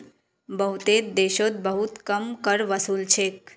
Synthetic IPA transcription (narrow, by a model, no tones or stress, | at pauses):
bəɦut̪ed̪eːʃot̪̚bəɦut̪kəmkəɾʋəsuːlt͡ʃʰeːk